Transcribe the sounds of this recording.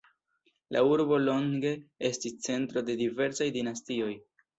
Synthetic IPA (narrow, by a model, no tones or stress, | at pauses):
la̰uɾbo̞lo̞ŋɡe̞e̞stist͡se̞ntɾo̞de̞dive̞ɾsajdinastio̞j